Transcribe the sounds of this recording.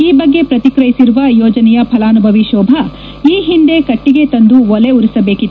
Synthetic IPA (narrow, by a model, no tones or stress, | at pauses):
iːbɐɡːe̞pɾɐt̪ikɾɐjisiɾuʋɐjɔːd͡ʒɐnɛjɐpʰɐlaːnubʱɐʋiʃɔːbʱɐ | iːɦind̪ekɐʈːiɡe̞t̪ɐnd̪uɔleuɾisɐbe̞ːkit̪ːu